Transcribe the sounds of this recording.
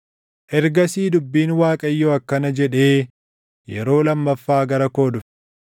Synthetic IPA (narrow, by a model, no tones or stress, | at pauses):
ʔɛɾɡɐsiːd̪ʊbːiːnwaːkʼɐjːoːɐkːɐnɐd͡ʒɛᶑe̞ː | jɛɾo̞ːlɐmːɐfːaːɡɐɾɐko̞ːd̪ʊ̥